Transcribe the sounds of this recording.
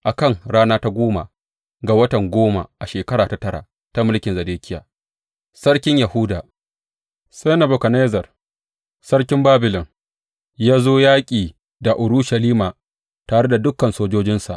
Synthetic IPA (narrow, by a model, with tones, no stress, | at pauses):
ʔa˨kɐ˦˨ŋɽaː˦naː˦ta˦ɡʷoː˦ma̰˨ | ɡa˨wɐ˦tɐ˨ŋɡʷoː˦ma̰˨ʔa˨ʃeː˨kɐ˦ɽaː˨ta˨tɐ˦ɽa̰˨ | ta˦mʊ˦lkʲɪ˨nzɐ˨deː˦kʲʰɪ˦jaː˨ | sɐ˦ɽkʲɪ˦ɲja˨hʊ˦daː˨ | se˦na˨bʊ˨kɐ˨neː˦zɐ˨r | sɐ˦ɽkʲɪ˦mbaː˦bɪ˨lɔ˨ŋ | jaː˦zoː˦jaː˦kʲʼiː˨ | da˨ʔʊ˨ɽʊ˦ʃɐ˨liː˦maː˨ | taː˨ɽe˦da˨dʊ˦kːɐ˨nsoː˦d͡ʒoː˦d͡ʒɪ˦nsa̰˨ʔ